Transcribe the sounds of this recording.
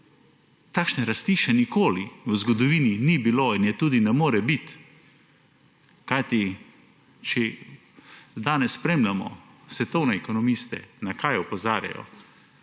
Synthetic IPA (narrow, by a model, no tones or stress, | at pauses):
t̪aːkʃnɛɾast̪iːʃɛnikoːliwəzɡɔd̪ɔʋiːninibiloinjɛt̪uːd̪inɛmoːɾɛbit̪ | kajt̪i | t͡ʃɛ | d̪aːnɛsːpɾeːmlʲamɔ̰sʋɛt̪ɔwnɛɛkɔnɔmist̪ɛ̰nakʰajɔpɔzaːɾja̰jɔ̰